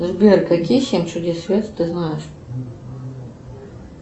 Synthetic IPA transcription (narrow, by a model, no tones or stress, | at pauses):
ʐbʲerkɐkʲijsʲemʲt͡ʃʊd̪ʲesvʲet̪t̪ɨznajɪʂ